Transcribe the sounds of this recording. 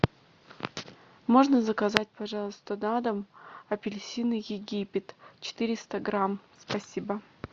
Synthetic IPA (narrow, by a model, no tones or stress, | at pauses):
mo̞ʐnəzəkɐzat̚ʲpɐʐɑlˠəst̪ənad̪əmɐpʲɪlʲsʲinɨjɪɡʲipʲɪt̪t͡ɕɪ̥t̪ɨɾʲɪst̪əɡɾamspɐsʲibə